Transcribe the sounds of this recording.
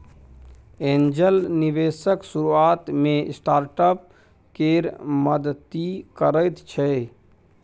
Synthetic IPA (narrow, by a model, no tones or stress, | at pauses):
eːnd͡ʒəlniʋeːsəksuɾuaːt̪mẽsʈaːɾʈəp̚ | keɾməd̪t̪ikəɾəjt̪t͡ʃʰɛ